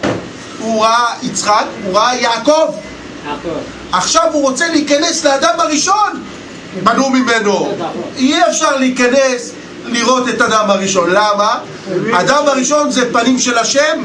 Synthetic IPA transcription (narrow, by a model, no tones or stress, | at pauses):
huʁaait͡sχakuʁaajaːko̞v | aχʃavuʁo̞t͡seleikane̞sleadamaʁiʃo̞n | banumime̞no̞iefʃaʁleikanes | liʁo̞te̞tadamhaʁiʃo̞nlama | aːdamaʁiʃonzepanimʃe̞laʃem